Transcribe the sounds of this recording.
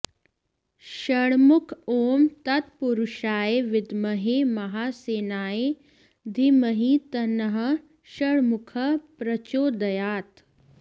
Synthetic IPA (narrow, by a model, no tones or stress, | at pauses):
ʃɐɽmʊkʰoːmt̪ɐt̪̚puɾuʃaːeʋɪd̪məɦeːmɐɦaːseːnaːe | d̪ʱiməɦĩt̪ɐnəɦə | ʃɐɽmʊkʰəpɾɐt͡ʃoːd̪ɐjaːt̪